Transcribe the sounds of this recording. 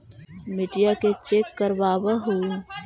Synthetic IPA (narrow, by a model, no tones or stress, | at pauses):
mɪʈijaket͡ʃeːkːəɾʋaːbəɦui